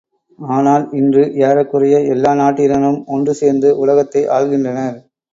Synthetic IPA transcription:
aːnaːlɪndrɯjaːɾɐkːɯrɐjɐɛlːaːnaːʈːiɾɐnɯmɔndrɯseːɾnd̪ɯʔʊlɐɣɐt̪ːɐɪʔa̰ːɻɣɪndrɐnɐɾ

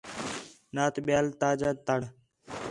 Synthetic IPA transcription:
naːt̪ɓɪjaːlt̪aːd͡ʒaːt̪əɽ

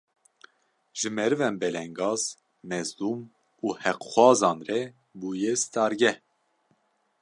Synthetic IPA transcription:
ʒ̥ɨmɛɾɨvɛnbɛlɛŋɡɑːz | mɛzd̪uːm | uːhɛqxwɑːzɑːnrɛ | buːjɛst̪ɑːɾɡɛ

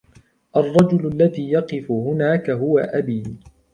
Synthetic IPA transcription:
ʔɑrˤːɑd͡ʒʊlʊlːaðiːjɑqɨfʊhʊnaːkaɦʊwaʔabiː

